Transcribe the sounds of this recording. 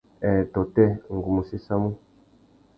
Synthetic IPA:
ɛ˨tɔ˨tɛ˦ŋ̩˨ɡu˨mu˨si˦sa˦mũ˦

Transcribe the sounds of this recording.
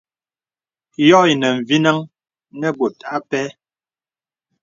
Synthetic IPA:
jɔ˦i˨nə˨ɱ˨vi˦na˦ŋ | nɛ˦bo˨tʰa˨a˦pɛ˦

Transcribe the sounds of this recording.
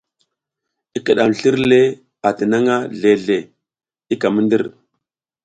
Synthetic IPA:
i˦kə˨ɗa˨m˨ɬi˦ɾlle˦ | a˨tə˨na˦ŋa˦ɮe˨ɮe˨ | i˦ka˨mə˦ndi˦ɾ

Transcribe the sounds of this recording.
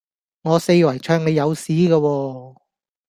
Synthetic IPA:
ŋɔː˨˧se˧jwɐ˨˩jt͡ʃʰœː˧ŋne˨˧jɐ˨˧wsiː˨˥ɡaː˧wɔː˧

